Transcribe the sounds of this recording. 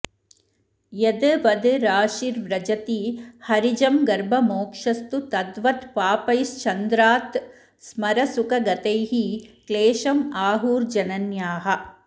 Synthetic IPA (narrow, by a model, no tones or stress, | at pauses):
jɐd̪ɐʋɐd̪ɾaːʃiɾʋɾɐd͡ʒɐt̪ihɐɾid͡ʒɐmɡɐɾbʱɐmoːkʂɐst̪ut̪ɐd̪ʋɐt̪paːpɐjst͡ʃɐnd̪ɾaːt̪ | smɐɾɐsukɐɡɐt̪ɐjɦikleːʃɐmaːɦuːɾd͡ʒɐnɐnjaːɦɐ